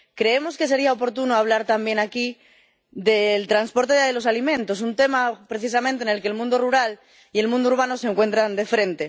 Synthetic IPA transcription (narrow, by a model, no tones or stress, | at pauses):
kɾe̞e̞mo̞ske̞s̬e̞ɾiaopo̞ɾt̪unoaβ̞laɾt̪ambjenaki | ðe̞lt̪ɾanspo̞ɾt̪e̞ðelo̞salimẽ̞nt̪o̞s̬unt̪e̞mapɾe̞θisamẽnt̪ene̞lkelmũnd̪o̞ruɾal | ie̞lmũnd̪ouɾβ̞ano̞seŋkwe̞nt̪ɾand̪e̞fɾe̞nt̪e̞